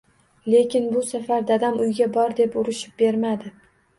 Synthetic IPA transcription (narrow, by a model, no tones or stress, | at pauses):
le̞kʲɪnbʊsafaɾd̪ad̪amʊjɡʲabɒɾd̪e̞pʊɾɪʃɪ̥p̚be̞ɾmad̪ɪ